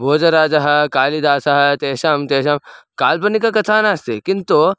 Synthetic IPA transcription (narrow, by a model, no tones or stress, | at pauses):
bʱoːd͡ʒɐɾaːd͡ʒɐɦɐkaːlid̪aːsɐɦɐt̪eːʃɐmt̪eːʃɐmkaːlpɐnikakɐt̪ʰaːnaːst̪ekɪnt̪o